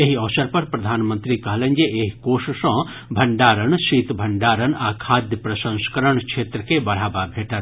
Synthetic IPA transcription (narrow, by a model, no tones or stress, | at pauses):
eɦiɔʋsɐɾpɐɾpɾɐd̪ʱaːnmənt̪ɾikɐɦlə̃nd͡ʒeeɦikoːʃsɔ̃ | bʱɐɳɖaːɾənsiːt̪bʱɐɳɖaːɾənaːkʰaːd̪jəpɾɐsə̃ŋskəɾəɳkt͡ʃʰeːt̪ɾəkebɐɽ̤aːbabʱeːʈat̪